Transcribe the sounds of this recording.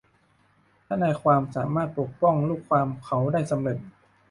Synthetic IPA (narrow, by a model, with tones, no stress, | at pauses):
t̪ʰa˥˩naː˧jkʰwaː˧msaː˩˦maː˥˩t̪̚po˨˩k̚pɔ˥˩ŋluː˥˩kʰːwaː˧mkʰa˩˦wdaː˥˩jsa˧mle˨˩t̪̚